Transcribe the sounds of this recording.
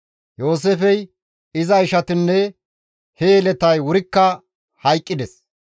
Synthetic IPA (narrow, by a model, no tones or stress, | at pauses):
jo̞ːs̬efɛj | ɪzɐɪʃɐt̪ɪnːɛ | heːlɛt̪ɐjwʊɾɪkːɐ | hɐjkʼːɪd̪ɛs